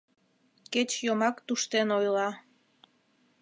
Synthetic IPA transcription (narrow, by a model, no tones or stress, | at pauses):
ket͡ɕjomɑkt̪uʃt̪enojlɑ